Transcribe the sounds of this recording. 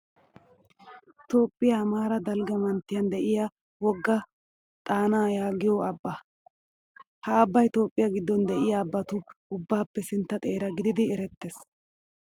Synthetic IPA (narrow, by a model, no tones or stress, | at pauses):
t̪o̞ːpʼːɪjamaːɾɐd̪ɐlɡɐmɐnt̪ːɪjɐnd̪ɛʔɪja | wɔɡːɐ | t̪ʼaːnaːjaːɡɪjɔɐbːɐ | hɐːbːɐjt̪o̞ːpʼːɪjaɡɪd̪ːɔnd̪ɛʔɪjaːbːɐt̪ʊʊbːaːpːɛsɪnt̪ːɐt̪ʼe̞ːɾɐɡɪd̪ɪd̪ɪɛɾɛt̪ːes